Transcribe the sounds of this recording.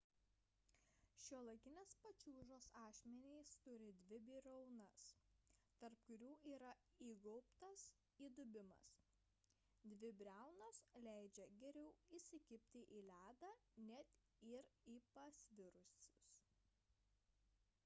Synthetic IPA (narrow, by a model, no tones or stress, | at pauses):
ʃʲuɔlˠɐkʲɪnʲespɐt͡ʃʲuːʒoːsɑːʃʲmʲɛnʲeɪst̪ʊɾʲɪd̪ʲʋʲɪbʲiːɾɐʊnɐst̪ɐɾp̚kʊɾʲuːiːɾɐ | iːɡɔʊpt̪ɐs | iːd̪ʊbʲɪmɐ̰s | d̪ʲʋʲɪbʲɾʲæˑʊnoːslʲæˑɪd͡ʒʲɛɡʲɛɾʲɛʊisʲɪkʲɪpʲt̪ʲɪʔiːlʲæːd̪ɑːnʲɛt̪ | ɪɾiːpɐsʲʋʲɪɾʊsʲʊs